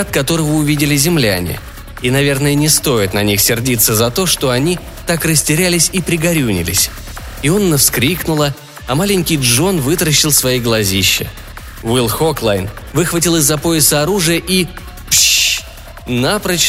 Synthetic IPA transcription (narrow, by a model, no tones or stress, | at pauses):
at̪kɐt̪o̞ɾəvəʊvʲidʲɪlʲɪzʲɪmlʲæ̰nʲɪ̰ | inɐvʲe̞rnəjənʲɪst̪o̞jɪt̪nɐnʲixsʲɪrdʲit̪səzɐt̪o̞ʂt̪o̞ɐnʲi | t̪akrəsʲtʲɪɾʲælʲɪsʲipɾʲɪɡɐɾʲunʲɪ̰lʲɪ̰sʲ | io̞nːəfskɾʲiknʊlˠə | ɐmalʲɪnʲkʲɪjʐo̞nvɨt̪ɾəɕːɪlˠsvɐiɡlˠɐzʲiɕːɪ̰ | vilˠxo̞klˠajnvɨxvətʲilˠɨzːɐpo̞ɪsəɐɾuʐɨjəʔi | pɕ | napɾə